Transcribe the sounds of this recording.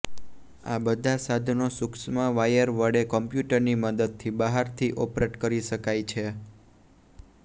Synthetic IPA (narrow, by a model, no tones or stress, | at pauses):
a̰bəd̪ʱasad̪ʱnosʊksmãʋajəɾʋəɖekɔmpjuʈəɾniməd̪əd̪̚t̪ʰibəɦaɾt̪ʰiʔopɾeʈkəɾiʃəkajt͡ʃʰe